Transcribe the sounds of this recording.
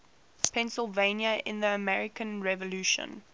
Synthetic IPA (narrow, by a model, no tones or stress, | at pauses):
pʰɛ̃nsɪlˠvẽɪ̃njəʔɪ̰̃nðiəmɛɹɪkʰə̃nɹɛvəlʉːʃə̰̃n